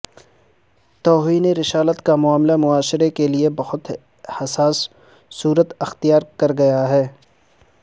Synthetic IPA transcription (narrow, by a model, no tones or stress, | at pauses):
t̪ɔːɦiːneɾɪʃaːlət̪kamʊaːmlamʊaːʃɪɾekeliebɐxʊt̪ | hɐsaːsː | uːɾət̪ɐxt̪ijaːɾkɐɾɡɐjaɦɛː